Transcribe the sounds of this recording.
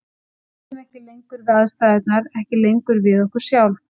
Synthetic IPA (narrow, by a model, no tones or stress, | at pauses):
ɛtɛmɛhcɪlejŋkʏɾðaðst̪ajðɛt̪̚naɾɛhcɪlejŋkʏɾvɪðɔhkʏɾ̥sjaːwl